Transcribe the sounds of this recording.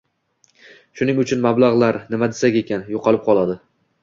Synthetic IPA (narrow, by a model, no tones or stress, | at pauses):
ʃʊnɪŋʊt͡ʃʰʊnmablˠaʁlˠaɾnɪmad̪esakʲe̞kʲʰanjoqʰɑlˠɪp̚qʰɒlˠad̪ɪ